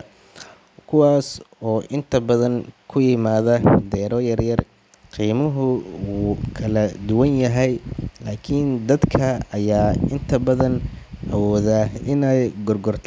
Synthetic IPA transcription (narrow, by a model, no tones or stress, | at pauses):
kʰʊwaːsɔːʔɪnt̪ʰɐbɐðɐŋkʰʊjɪmaːðɐd̪ɛːɾɔjɐrjɐr | qiːmɐɦʊwukʰɐlɐd̪ʊwɐnjɐɦɛjlaːkʰind̪ɐd̪kʰɐɐjaːɪnt̪ʰɐbɐðɐnʔɐwɔːðaɪnɛjɡɔrɡɔrt̪ʰ